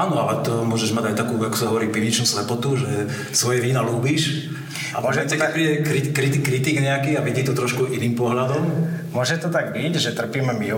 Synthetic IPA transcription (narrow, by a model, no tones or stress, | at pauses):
aːnɔalɛt̪ɔmʊɔʒɛʒmaɟajt̪akuːakɔ̥saɦɔʋɔɾiːpiʋɲit͡ʃnuːslɛpɔt̪uʒɛ | sʋɔjɛʋiːnaluːbiːʃ | amɔʒɛtɛpɾiɛkɾikɾit̪kɾit̪iɡɲɛakiːaʋid̪iːt̪ɔt̪ɾɔʃkuʔiniːmpɔɦlad̪ɔmmʊɔʒɛt̪ɔt̪aɡ̚bicʒɛt̪r̩piːmɛmi